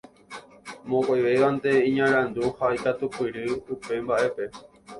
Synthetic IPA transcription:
mõkajʋe̞ʋant̪e̞ĩɲãɾ̃ãnd̪uhajkat̪upɨɾɨupe̞mbaʔe̞pe̞

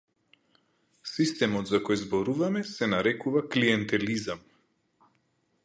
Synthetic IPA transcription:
sist̪ɛmɔt̪zakɔjzbɔɾuvamɛsɛnaɾɛkuvakliɛnt̪ɛlizam

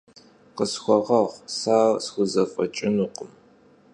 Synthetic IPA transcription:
qəsxʷɔʁɐʁsaːrsxʷʊzɐfʼɐt͡ʃʼɪnuːqəm

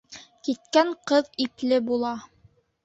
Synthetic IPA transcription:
kit̪̚kæŋqɤðiplɘbulˠɑ

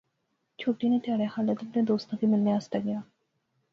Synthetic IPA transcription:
t͡ʃʰoːʈinet̪ɪaːɽexaːlet̪ʊp̚ned̪oːst̪ãkimɪlneaːst̪aɡɪjaː

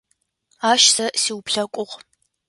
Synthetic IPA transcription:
aːʃsɐsiːwpɬɐkʷʼʊʁ

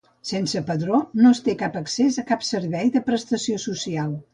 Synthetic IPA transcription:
sensəpəðɾonost̪ekapəksezəkapsəɾβɛjðəpɾəst̪əsiosusialˠ

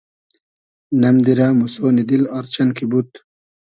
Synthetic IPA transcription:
nɐmd̪iɾamusoːnid̪ilɐɾt͡ɕɐnkibut̪̚

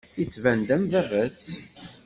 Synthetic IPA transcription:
it͡sːvænd̪æmvævæs

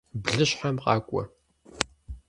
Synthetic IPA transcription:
bɮɨɕħamqɑ̰ːkʷʼɔ̰

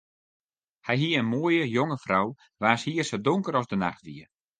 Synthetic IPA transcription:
hɛjɦiəənmoːjəjoŋəfraw | ʋaːshiərsədʊŋkəɾɔzdəna̰xtʋiə

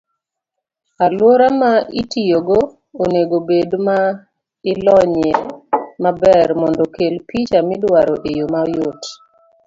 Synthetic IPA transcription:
alwɔɾamaʔitijoɡo | oneɡobedma | ɪlɔɲemabɛɾmɔndɔkelpʰit͡ʃamɪdwaɾɔʔejomajot

